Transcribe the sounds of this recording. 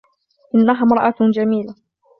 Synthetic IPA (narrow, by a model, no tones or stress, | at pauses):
ʔɪnːaɦaːmɾˤɑʔad͡ʒamiːla